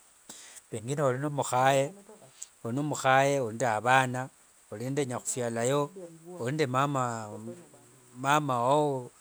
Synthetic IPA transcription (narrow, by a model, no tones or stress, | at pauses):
βeŋɡinaolinomuxaje | oinomuxajeolindeaβaːna | ulindeɲaxufjalajoolindemama | mamawao